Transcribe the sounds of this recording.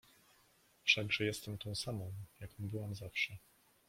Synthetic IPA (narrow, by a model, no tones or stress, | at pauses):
fʂaɡʐɛjɛst̪ɛmt̪ɔ̃w̃samɔ̃w̃jakɔ̃w̃bɘwamzafʂɛ